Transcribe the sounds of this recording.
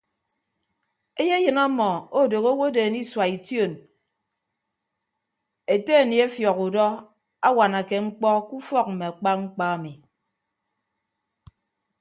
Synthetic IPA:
e˦je˦jɨ˨na˦mɔ˨o˦˨do˨ɣo˦wo˦de˨ni˦swa˨i˨tjo˦˨n | e˨te˦˨ni˨e˦fjɔ˨ku˨dɔ˦ | a˦wa˨na˨ke˨ŋ͡m̩˦k͡pɔ˦ku˦fɔ˦k̚m̩˨me˨a˨k͡pa˦ŋ͡m̩˦k͡pa˦a˨mi˨

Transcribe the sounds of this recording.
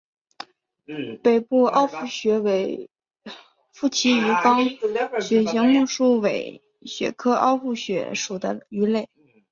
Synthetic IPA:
pe˨˩ɪpu˥˩ɑ˥ʊfu˥˩ɕɥɛ˧˥we˧˥ɪ | fu˥˩t͡ɕʰi˧˥y˧˥kɑ˥ŋ˥ɕɥɛ˧˩ɕi˧˥ŋmu˥˧ʂu˥we˨˩ɪ | ɕɥɛ̰˧˥kʰɤ˥ʔɑ̰˥˧ʊfu˥˩ɕɥɛ̰˧˥ʂu˨˩d̪ə̰˦y˧˥le˥˩ɪ

